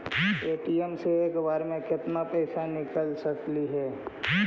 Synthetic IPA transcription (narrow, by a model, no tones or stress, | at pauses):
eːʈiemseeːkbaːɾmẽkɪt̪napɛːsanɪkəlsɐkliɦɛː